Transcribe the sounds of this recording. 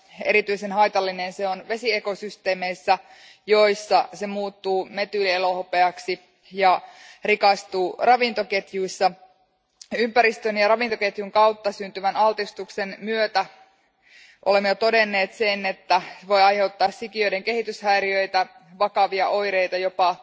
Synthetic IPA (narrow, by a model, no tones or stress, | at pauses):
e̞ɾit̪yisenɦɑjt̪ɑlːinenseonʋe̞sieko̞syst̪e̞ːmeisːæ | jo̞jsːɑsemuːt̪ːuːme̞t̪ylielohopeɑksi | jɑrikɑst̪uːrɑʋint̪o̞ke̞t̪juisːɑ | ympæɾist̪ønjɑrɑʋint̪oket̪juŋkɑut̪ːɑsynt̪yʋænɑlt̪ist̪uksenmyøt̪æ | ʔolemːejot̪o̞denːeːt̪senet̪ːæseʋo̞jɑjhe̞ut̪ːɑːssikiøjdeŋke̞ɦit̪yshæiɾiø̞jt̪æ | ʋɑkɑʋiɑʔo̞jɾejt̪ɑjo̞pɑ